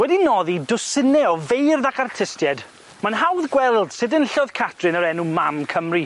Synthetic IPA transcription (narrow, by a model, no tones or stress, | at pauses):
wɛdinɔðidʊsɪnɛɔvejrðakʰartʰɪstjɛd | manɦawðɡwɛlˠd̥sɪdənɬɔðkʰatʰrɨnəɾɛnumamkʰəmri